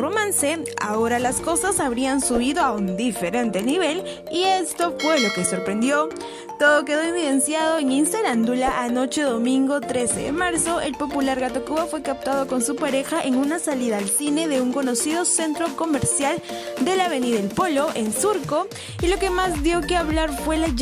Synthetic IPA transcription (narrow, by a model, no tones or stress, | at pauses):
ro̞mãnse̞a̰o̞ɾalasko̞sasaβɾiansuβ̞iðo̞aund̪ife̞ɾe̞nt̪e̞niβe̞l | iest̪o̞fwe̞lo̞ke̞so̞ɾpɾe̞nd̪jo̞ | t̪o̞ðo̞k̬e̞ðoinviðe̞nsjaðo̞eŋinseɾand̪ulaʔano̞t͡ʃe̞ðo̞mĩŋɡo̞t̪ɾe̞se̞̰ðḛmaɾso̞ʔe̞̰lpo̞pulaɾɣat̪o̞kuβafwe̞kap̚t̪að̞o̞ko̞nsupaɾe̞xaʔeŋunasaliðaːlsine̞ðe̞uŋko̞no̞siðo̞se̞nt̪ɾo̞ko̞meɾsjald̪e̞laβeniðaelpo̞lo̞ʔe̞nsuɾko̞ | ilo̞ke̞mazðjo̞keaβlaɾfwe̞la